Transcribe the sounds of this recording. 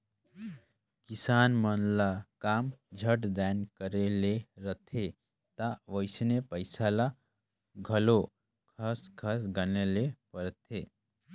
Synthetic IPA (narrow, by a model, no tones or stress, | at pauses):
kisaːnmənlakaːmd͡ʒʱəʈd̪ɛnkəɾeleɾət̪ʰe | t̪aʋəɪsnepəɪsala | ɡʱəlo | kʰəskʰəsɡənelepəɾt̪ʰe